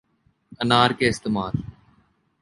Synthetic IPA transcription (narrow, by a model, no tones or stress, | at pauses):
ənaːɾkeːɪst̪eːmaːɾ